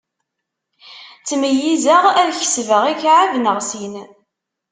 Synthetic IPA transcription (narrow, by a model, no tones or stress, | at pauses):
t͡sːməjːizəʁæðçə̥svəʁikʕavnəʁsin